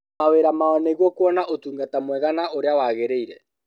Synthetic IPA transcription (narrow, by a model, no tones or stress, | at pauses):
aweɾamaɔneɣwɔkwɔnaʔotuːŋɡatamwɛɣanaoɾeawaɣeɾeiɾɛ